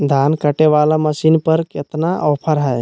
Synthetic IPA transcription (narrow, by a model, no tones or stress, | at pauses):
d̪ʱankəʈeβalaməsinpəɾket̪naʔɔpʰəɾɦəj